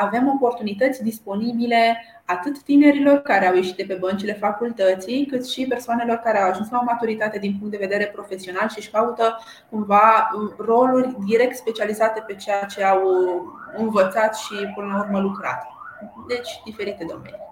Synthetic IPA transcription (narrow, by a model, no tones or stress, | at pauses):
ave̞mo̞po̞rt̪unit̪ət̪sʲd̪ispo̞nibile̞ | at̪ɨt̪ːine̞ɾilo̞rkaɾe̞awje̞ʃit̪d̪epe̞bənt͡ʃile̞fakult̪ət̪sijkɨt̪ʃipe̞rsoane̞lo̞rkaɾeawaʒunslaomat̪uɾit̪at̪e̞d̪inp̬uŋkt̪d̪e̞ve̞d̪e̞ɾe̞pɾo̞fe̞sio̞nalʃiʃkaut̪ə | kumvaəro̞lurʲd̪iɾe̞k̚t̪spe̞t͡ʃializat̪e̞pe̞t͡ʃe̞jat͡ʃe̞aw | ɨnvət̪sat̪ʃipɨnlaurməlukɾa̰t̪ | d̪e̞t͡ʃʲd̪ife̞ɾit̪e̞d̪o̞̰me̞̰ni